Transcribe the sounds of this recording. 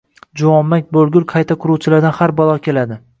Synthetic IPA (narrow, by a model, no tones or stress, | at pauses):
d͡ʒawɒmːak̚ʲbolˠɡʲʊlˠqʰɑjt̪ʰaqʰʊɾuwt͡ʃʰɪlaɾd̪anhaɾbɒlˠɒkʲʰe̞lad̪ɪ